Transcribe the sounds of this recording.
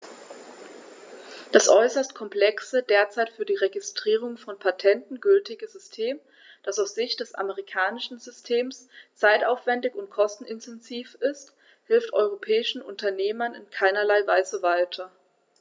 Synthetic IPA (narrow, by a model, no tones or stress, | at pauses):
d̥asʔɔʏsɐstkʰɔmpl̥ɛksədeːɐt͡saɪtfyːɐdiːʁeɡɪstʁ̥iːʁ̞ʊŋfɔnpʰatʰɛntn̩ɡʏltɪɡəzʏstʰeːm | d̥asaʊsz̥ɪçtd̥ɛsʔa̰məʁikʰaːnɪʃn̩zʏstʰeːmst͡saɪtaʊfv̥ɛndɪçʊnt̚kʰɔstn̩ɪntʰɛnziːfɪst | hɪlftʔɔʏʁ̞opʰɛːɪʃn̩ʔʊ̰ntʰɐneːmɐnɪ̰nkʰaɪnɐlaɪvaɪzəvaɪtʰɐ